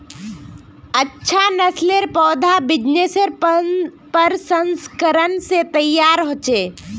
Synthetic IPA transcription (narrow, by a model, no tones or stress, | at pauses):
ətːʃʰanəsleɾpɔːd̪ʱabɪd͡ʒneseɾ | pəɾsənskəɾənset̪əjːaːɾɦoːt͡ʃeː